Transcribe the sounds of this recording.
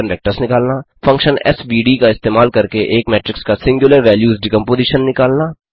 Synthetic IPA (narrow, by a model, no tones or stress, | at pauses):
ənʋɛːk̚ʈəɾsnɪkaːlnaː | fɐ̃ŋkʃənɛ̰sbiːɖiːkaɪst̪eːmaːlkɐɾkeʔeːkmɛːʈɾɪkskasɪ̃ŋɡjʊləɾʋɛːljuːzɖɪkə̃mpoːziːʃənːɪkaːlnaː